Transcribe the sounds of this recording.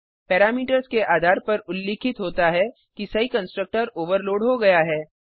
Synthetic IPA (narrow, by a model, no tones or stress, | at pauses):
pɛːɾaːmiːʈəɾzkeʔaːd̪ʱaːɾpɐɾʊlːiːkʰɪt̪ɦoːt̪aɦɛ | kisɐɦikɐ̃nsʈɾək̚ʈəɾoːʋəɾloːɖɦoɡɐjaɦɛː